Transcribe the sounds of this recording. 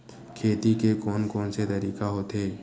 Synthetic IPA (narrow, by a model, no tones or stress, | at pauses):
kʰeːt̪ikekɔːnkɔːnset̪ɐɾiːkaɦoːt̪eː